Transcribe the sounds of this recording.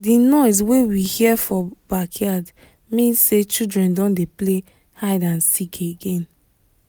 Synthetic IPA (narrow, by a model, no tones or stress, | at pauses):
dinɔɪs̬wewihiɛfɔbakʰjad | mĩnset͡ʃildɹɛ̃ndɔ̃ndeple | haɪdãnsikʰeɡẽn